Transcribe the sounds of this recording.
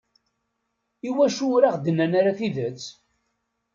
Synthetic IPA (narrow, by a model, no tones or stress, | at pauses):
iwæʃuɾaʁd̪ənːænaɾaθiðət͡sː